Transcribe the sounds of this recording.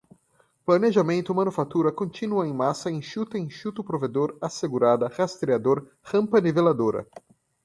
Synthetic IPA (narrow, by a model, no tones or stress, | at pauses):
plɐneʒamẽnt̪ʊmɐ̃nufat̪uɾɐkõnt͡ʃ̪inuɐẽj̃masɐẽj̃ʃut̪ɐẽj̃ʃut̪ʊpɾoved̪oɾaseɡuɾad̪ɐhast̪ɾiad̪oɾ | hɐ̃mpɐnivelad̪oɾɐ̰